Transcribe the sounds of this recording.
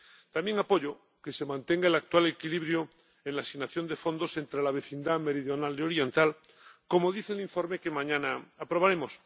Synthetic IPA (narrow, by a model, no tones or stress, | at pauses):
t̪amje̞ŋapo̞ʎo | ke̞se̞mãnt̪e̞ŋɡaelak̚t̪wale̞kiliβɾjo | enlasiɣnaθjo̞nd̪e̞fo̞nd̪o̞se̞nt̪ɾe̞laβ̞e̞θind̪ame̞ɾiðjo̞naleo̞ɾje̞nt̪al | ko̞moðiθeliɱfo̞ɾmekemãɲãnaapɾo̞βaɾe̞mo̞s